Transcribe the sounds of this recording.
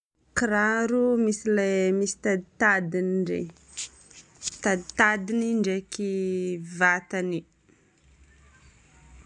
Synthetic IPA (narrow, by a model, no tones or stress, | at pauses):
kiɾaɾumisilajmisi̥t̪ad̪it̪ad̪inɳɖ͡ʐḛ | t̪ad̪it̪ad̪iniɳɖ͡ʐekivat̪ani